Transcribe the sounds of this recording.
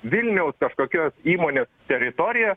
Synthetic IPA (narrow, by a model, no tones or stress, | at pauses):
ʋʲɪlʲnʲɛʊskɐʃkoːkʲoːsiːmoːnʲeːst̪ʲɛɾʲɪt̪oːɾʲɪjɛ